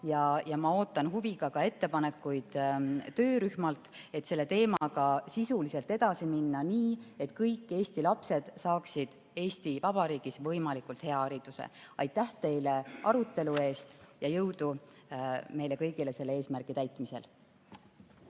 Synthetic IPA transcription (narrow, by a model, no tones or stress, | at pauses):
jɑjɑmɑo̞ːt̪ːˑɑnɦuviɡɑkɑe̞t̪ːe̞pɑne̞kːˑujd̪̥ːø̞ːɾyhmɑlt̪e̞t̪se̞lːe̞t̪e̞ːmɑɡɑsisulise̞lt̪e̞d̪̥ɑsiminːɑniːe̞t̪kɤjkˑːe̞ːst̪ilɑpse̞d̪̥sɑːksid̪̥ | e̞ːsʲt̪ivɑb̥ɑɾiːɡ̥isvɤ̞jmɑlikˑult̪he̞ɑɑɾid̪̥usḛɑjt̪ˑːæht̪e̞jle̞ʔɑɾut̪ːe̞lue̞ːst̪jɑjɤwd̪̥u | me̞jle̞kɤjɡ̥ile̞se̞lːee̞ːsmærɡ̥it̪æjt̪mise̞̰l